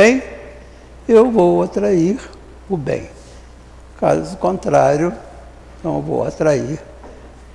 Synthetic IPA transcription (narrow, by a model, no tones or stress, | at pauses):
ẽj̃ | ewvowat̪ɾaiɾ | ʊbḛ̃j̃ | ka̰zʊkõnt̪ɾaɾjʊ | ẽt̪ɐ̃w̃ḛwvo̰wat̪ɾaiɾ